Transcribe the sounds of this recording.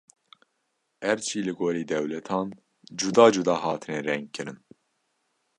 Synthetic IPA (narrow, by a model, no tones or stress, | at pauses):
ɛɾt͡ʃʰiːlɨɡoːɾiːd̪ɛwlɛt̪ʰɑːn | d͡ʒud̪ɑːd͡ʒud̪ɑːɦɑːt̪ʰɨnɛɾɛŋɡ̚kʰɨɾɨn